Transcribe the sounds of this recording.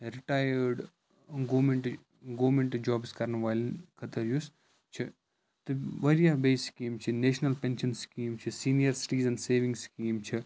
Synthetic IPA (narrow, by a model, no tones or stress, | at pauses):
ɾiʈaːjəɾɖ | ɡoːmẽɳʈ | ɡoːmẽɳʈd͡ʒɔːbskɐɾnʋaːlkʰɐt̪ɐɾjus | t͡ʃʰi | t̪ɨʋɐɾijabeːskiːmt͡ʃʰineːʃnɐlpẽnʃɐnskiːmt͡ʃʰisiːnijɐɾsi̥ʈiːzɛ̃nɖseːʋĩŋɡskiːmt͡ʃʰi